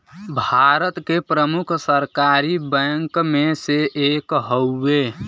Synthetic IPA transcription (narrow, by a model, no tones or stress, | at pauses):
bʱaɾət̪kepɾəmukʰsəɾkaɾibɛ̃ŋkmẽseʔekɦəːe